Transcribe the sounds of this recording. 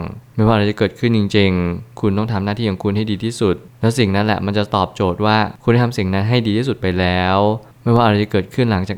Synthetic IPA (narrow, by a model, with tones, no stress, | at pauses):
ŋma˥˩jwaː˥˩˧a˧jt͡ɕa˨˩kɤː˨˩t̪̚kʰɯ˥˩nt͡ɕi˧ŋt͡ɕi˧ŋkʰu˧nt̪ɔ˥˩ŋt̪ʰaː˨˦mnaː˥˩t̪ʰiː˥˩ja˨˩ŋkʰu˧nha˥˩jdiː˧t̪ʰiː˥˩su˨˩t̪̚lɛː˦˥wsi˨˩ŋna˦˥nlɛ̰˨˩ʔma˧nt͡ɕa˨˩t̪ɔː˨˩p̚t͡ɕoː˨˩t̪̚waː˥˩kʰna˥˩tʰa˧msi˨˩ŋna˦˥nɦa˥˩jdiː˧t̪ʰiː˥˩su˨˩t̪̚pa˧jlɛː˦˥w | m˥˩jwaː˥˩ʔa˧ɾa˧jt͡ɕa˨˩kɤː˨˩t̪̚kʰɯ˥˩nla˩˦ŋt͡ɕaː˨˩k